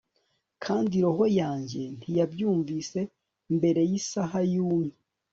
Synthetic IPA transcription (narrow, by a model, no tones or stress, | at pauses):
kʰaːndiɾoɦo̞jaːɲɟe̞n̥ijabjuːɱviːse̞ | mbe̞ɾe̞jisaɦajuːmɲe